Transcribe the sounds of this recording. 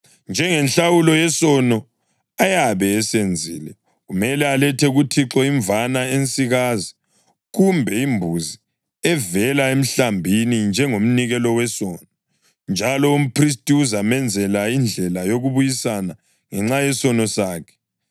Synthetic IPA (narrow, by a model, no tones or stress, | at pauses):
nd͡ʒʱɛŋɛnɬawulɔjɛsɔnɔ | ajaβɛːsend͡zʱḭːlɛ | ɣumɛlɛalɛtʰɛɣutʰiǁɔiɱvanaensʼiɣazi | ɣumbʱɛimbʱuzi | ɛvɛlaem̩ɬambʱinind͡ʒʱɛŋom̩niɣɛlɔwɛsɔːnɔ | nd͡ʒʱalɔum̩pris̬tʼiuzamɛnd͡zʱɛlaind͡ɮʱɛlajoɣuβujisana | ŋɛŋ͡ǁajɛsɔnɔsaːkʰɛ̥